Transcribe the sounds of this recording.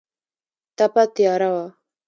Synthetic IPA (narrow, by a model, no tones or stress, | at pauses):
t̪apat̪ijɑːɾawa